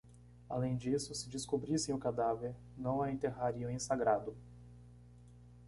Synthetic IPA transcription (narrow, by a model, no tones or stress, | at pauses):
a̰lẽj̃d͡ʒisʊsɪd͡ʒɪskobɾisẽj̃ʊkad̪aveɾ | nɐ̃w̃aẽnt̪eɦaɾiʊ̃ẽsaɡɾad̪ʊ